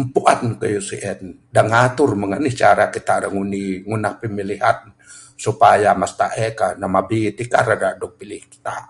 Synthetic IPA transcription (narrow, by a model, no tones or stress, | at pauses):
mpuʔankəjusiʔɛn | daŋhat̪ʊrməŋəniht͡ʃaɾakit̪aɾaŋuniŋunahpəmiliɦat̪̚ | supajamast̪aʔɛkanamabit̪ika̰ɾadaʔdɔk̚pilɪhki̥t̪a̰